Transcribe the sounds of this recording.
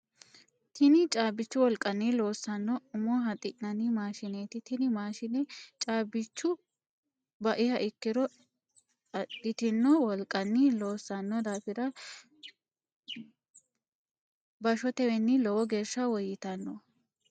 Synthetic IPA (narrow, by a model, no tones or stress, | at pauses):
t̪ʰɪnɪt͡ʃʼaːbɪt͡ʃːʊwɔlkʼːɐnːilo̞ːsːɐnːɔʊmɔɦɐt̪ʼɪʔnɐnɪmaːʃɪneːt̪ɪt̪ɪnɪmaːʃɪnɛt͡ʃʼaːbɪt͡ʃːʊ | bɐʔɪhɐʔɪkːɪd̪ɔ | ɐdɪt̪ɪnːɔwɔlkʼːɐnːɪloːsːɐnːɔd̪aːfɪɾɐ | bɐʃɔt̪ɛwɛnːɪlɔwɔɡe̞ːɾʃɐwɔjɪt̪ɐnːɔ